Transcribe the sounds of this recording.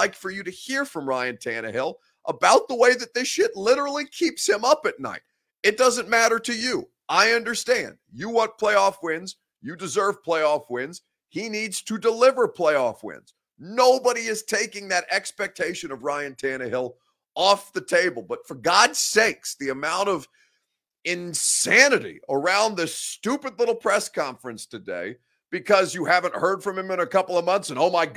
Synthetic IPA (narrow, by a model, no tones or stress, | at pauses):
aɪkfə˞jɨɾɨhiɹfɹʌ̃mɹaɪɨ̃ntʰæ̃ñɨ̰hɪlˠ | ʔəbaʊt̪̚ðəweɪðɨt̪̚ðɪsʃɪtˡlɪɾə˞l̩ˠikʰipshɨ̃mʌpɨtⁿna̰ɪɾ | ɨt̚d̥ʌzɨ̃nmæɾə˞ɾɨjɨ | ʔaɪʌ̃ndə˞stæ̃nd̥jɨwõʊ̃npʰl̥eɪɔfwɪ̃nz̥ | jɨdɨzɜ˞v̥pʰl̥eɪɔfwɪ̃nz̥ | inidz̥tʰɨdəlɪvə˞pʰl̥eɪɔfwɪ̰̃nz̥ | noʊbəɾiɨz̥tʰeɪkɪ̃ŋðɨɾʔɛkspɛk̚tʰeɪʃɨ̃nʌvɹaɪɨ̃ntʰæñɨhɪlˠ | ɔfðɨtʰeɪbəl̩ˠbʌtfə˞ɡɑd̥seɪksðiɨmãʊ̃ɾ̃ʌv | ɪ̃nsænɨɾḭʔə˞ãʊ̃nðɪstʉpɨdˡlɪɾl̩ˠpʰɹ̥ɛskʰɑ̃ɱfɹɨ̃nstʰɨdḛɪ | b̥ɨkʰʌzjɨhævɨ̃nʔhɜ˞d̥fɹʌ̃mɨ̃mɨ̃nɨkʰʌpl̩ˠʌvmʌ̃nθsɨ̃noʊmaɪ